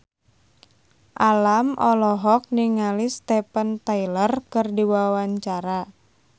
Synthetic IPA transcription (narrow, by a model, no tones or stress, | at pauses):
ʔalamʔɔlɔɦɔk̚niŋalist̪epənt̪ailərkɨrdiwawaɲt͡ʃaɾa